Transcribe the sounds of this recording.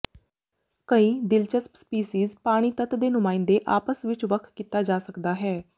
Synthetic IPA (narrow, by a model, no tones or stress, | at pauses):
kəĩːd̪ɪlt͡ʃəspspiːsiːzpaːɽ̃iːt̪ət̪d̪eːnʊmãːɪnd̪eːʔaːpəsʋɪt͡ʃʋəkʰkiːt̪aːd͡ʒaːsəkd̪aːɦɛː